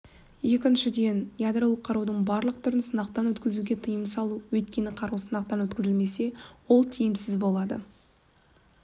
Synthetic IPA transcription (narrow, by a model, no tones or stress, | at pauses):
je̞kʲɪnʃɪd̪e̞njad̪ɾolˠəqʰːɑɾud̪əɴbɑɾlˠəq̚t̪ʰʊɾənsənɑq̚t̪ɑnwɵt̪kʲɪzuɡʲe̞t̪ʰəjəməsɑlˠuwɵt̪̚kʲe̞nɪqʰɑɾuwsənɑq̚t̪ɑnwɵt̪kʲɪzɪlme̞se̞wo̞lˠt̪ʰijɪmsɪzbo̞lˠɑd̪ə̰